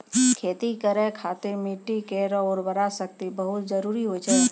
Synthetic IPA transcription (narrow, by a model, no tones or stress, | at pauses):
kʰeːt̪ikəɾekʰaːt̪ɪɾmiʈːikeːɾəɔːɾbəɾasək̚t̪ibəɦʊt̪d͡ʒəɾuːɾiɦod͡ʒaɦɛ